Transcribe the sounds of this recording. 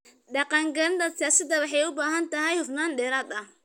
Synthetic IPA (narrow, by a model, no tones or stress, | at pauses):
ɖɑqɑŋɡɐɾd̪ɐsɪjaːsɐd̪ɐwɑħɑjʊbaːɦɐnt̪ʰɐɦɛjhʊbnaːnɖɛːɾaːd̪ɐh